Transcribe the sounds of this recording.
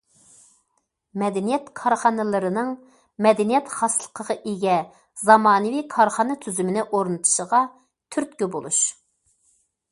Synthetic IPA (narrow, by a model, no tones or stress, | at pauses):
mɛd̪ɛnijɛt̪kʰɑɾχɑnɨlˠɨɾɨnɨŋ | mɛd̪ɛnijɛt̪χɑslˠə̥qʰəʁɑʔeɡʲɛ | zɑmɑːnɨwikʰɑɾχɑnɨt̪ʰyzymɪnɪʔoɾnɨt̪ʰu̥ʃəʁɑ | t̪ʰyɾt̪kʲybolˠuʃ